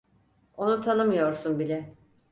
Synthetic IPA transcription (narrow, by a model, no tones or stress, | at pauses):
o̞nut̪ʰanɯmɯjo̞ɾsunbilʲɛ